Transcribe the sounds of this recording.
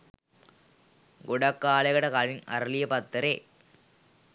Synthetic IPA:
ɡʊɽɐkːaːlɐɣɐɽɐkɐlɪnɐ̰ɾlɪjɐpɐt̪ːɐɾe

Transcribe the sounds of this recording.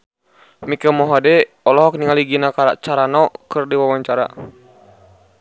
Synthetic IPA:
mikəmɔɦadɛ | ɔlɔɦɔk̚niŋaliɡinakaɾa̰t͡ʃaɾanɔkɨrdiwawaɲt͡ʃaɾa̰

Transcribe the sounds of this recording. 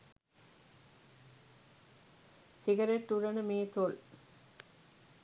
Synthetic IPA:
siɡɐɾeʈːuɾɐnəmeːt̪ol

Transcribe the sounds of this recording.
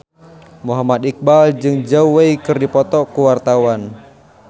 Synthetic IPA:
muɦamat̪ik̚bald͡ʒɨŋd͡ʒauweikɨrdipɔt̪ɔkuwart̪awan

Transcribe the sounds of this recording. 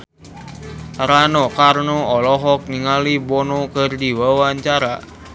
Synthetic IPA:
ɾanɔkarnoɔlɔɦɔk̚niŋalibɔnɔkərdiwawaɲt͡ʃaɾa

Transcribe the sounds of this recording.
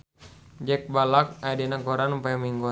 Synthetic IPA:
d͡ʒɛk̚balak̚ajdinakɔɾanupajamiŋɡɔ

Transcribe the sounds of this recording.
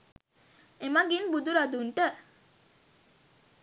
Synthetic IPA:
emaɡinbud̪uɾad̪uɳʈə

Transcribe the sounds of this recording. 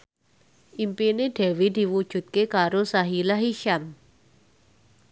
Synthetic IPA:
ʔimpineɖ̥ewid̪̥i̤wud̥ʒ̥ṳt̪̚kekaɾosaɦilaɦiʃan

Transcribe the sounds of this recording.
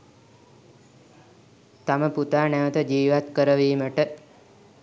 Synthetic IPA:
t̪aməput̪aːnɛʋət̪əd͡ʒiːʋat̪kəɾəʋiːməʈə

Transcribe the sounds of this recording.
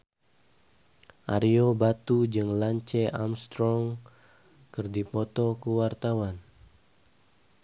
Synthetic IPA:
ʔaɾiobat̪ud͡ʒɨŋlaɲt͡ʃɛamst̪ɾɔŋ | kɨrdipɔt̪ɔkuwart̪awan

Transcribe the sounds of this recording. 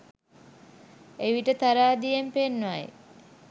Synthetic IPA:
eʋiʈət̪aɾaːd̪ijempenːʋaj

